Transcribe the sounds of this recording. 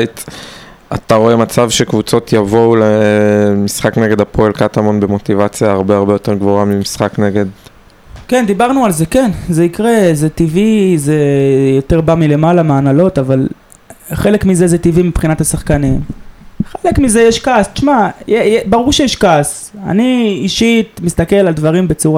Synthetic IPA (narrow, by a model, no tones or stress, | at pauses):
t̪ | a̰t̪aʁo̞e̞mat͡savʃekvut͡so̞t̪ʰjavo̞lemisχakneɡe̞d̪apʰoelkat̪amo̞nbemo̞t̪ivat͡sjaaʁbeaʁbe̞jo̞teʁɡvoamimisχakneɡe̞d̪ | kend̪ibaʁnualze̞ke̞nzeikʁe̞zet̪ivizejo̞t̪e̞ʁbamile̞malameanalo̞t̪aval | χe̞lekmizezet̪ivimipχinatasaχkanimχelekmize̞jeʃkast͡ʃmajejebaʁuʁʃejɛʃkas | a̰niiʃit̪mist̪ake̞lald̪vaʁimbe̞t͡suʁa